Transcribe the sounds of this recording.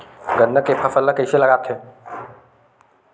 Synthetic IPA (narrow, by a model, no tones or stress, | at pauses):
ɡənːəkepʰəfəlːəkɐiselɐɡaːt̪ʰɦeː